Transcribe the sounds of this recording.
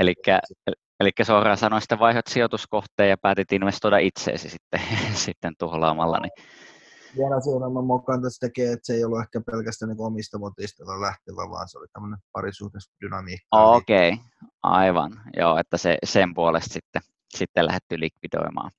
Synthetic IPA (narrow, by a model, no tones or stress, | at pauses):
elikːæ | elikːæsoːrɑːsɑnost̪ːeʋʋɑihot̪siot̪uskoht̪ˑeːjjɑpæːt̪yt̪inʋest̪oidɑʔit̪sḛːsisit̪ːesit̪ːent̪uhlɑːmɑlːɑ̰ni | ʋiɛlæsionɑmːɑmmokːˑɑnt̪ɑsi̥t̪ækeːet̪seeˑijolːuehkæpelkæst̪æniːkoomist̪ɑmot̪iːst̪elːɑlæht̪iʋæ̰ʋɑ̰ːnseo̰lit̪æmːənempɑ̰risuht̪esd̪̥ynɑmiːkːokei | ʔɑ̰iʋɑ̰njo̰ːet̪ːæsḛsempuolest̪sit̪ːe | sit̪ːelæ̰het̪ːylikʋido̰imɑ̰ːn